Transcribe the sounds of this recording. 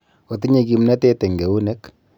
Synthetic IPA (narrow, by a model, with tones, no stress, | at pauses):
o˨ti˦ɲe˨ki˨mnɛ˦te˦te˨ŋɡe˨wu˦ne˦k